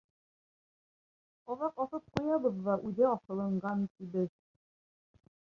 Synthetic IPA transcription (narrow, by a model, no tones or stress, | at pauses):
ɑβɑqɑθɤp̚qujɑβɤðːɑʔʉðæɒθɤ̆lˠɤ̆ɴɢɑnt̪ibɘð